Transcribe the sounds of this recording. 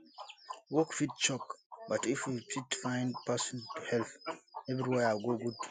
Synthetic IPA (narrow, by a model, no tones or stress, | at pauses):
wɔkfit̚t͡ʃɔkbatifwifitfãj̃ndpasɔ̃ntuhɛlpɛvɾiweaɡoɡud